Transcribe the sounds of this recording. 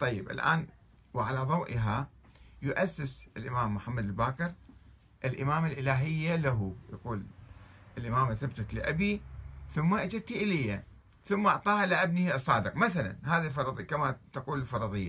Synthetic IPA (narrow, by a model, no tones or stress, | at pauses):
t̪ˤɑjːɪbʔɪ̰lʔa̰ːn | wɪʕalaðˤɑwʔɪɦa | jʊʔasːɪsɪlʔɪmaːmːʊħamːad̪ɪlbaːkɪɾ | ʔɪlʔɪmaːmalʔɪlaːɦɪjːalaɦuja̰quːlʔɪlʔɪmaːmθabt̪at̪lɪʔabiθʊmːaʔad͡ʒɪd̪̚t̪iʔɪlɪjːa | θʊmːaʔɑʕt̪ˤɑːhalɪʔab̚nisˤːɑːd̪ɨqmaθala̰nɦaːðilfɑɾˤɑðˤkamat̪aquːlɪlfɑɾˤɑðˤɨjːa